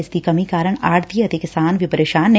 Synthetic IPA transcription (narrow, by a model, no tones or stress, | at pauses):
d͡ʒd̪ikɐmikaːɾəɽ̃aːʈt̪iɐt̪ikɪst̪aːnʋɪpəɾeːʃaːnːe